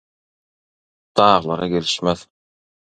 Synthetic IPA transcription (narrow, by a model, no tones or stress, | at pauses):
d̪̥ɑːʁɯlˠɑɾɑkeliʃmeθ